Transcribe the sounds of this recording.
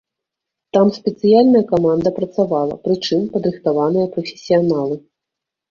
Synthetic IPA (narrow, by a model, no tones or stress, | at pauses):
t̪amsʲpʲɛt̪sɨjalʲnɐjɐkamand̪ɐpɾɐt̪savalˠɐ̰pɾɨt͡ʂɨmpɐd̪ɾɨxt̪avanɨjɐpɾɐfʲe̥sʲijanalˠɨ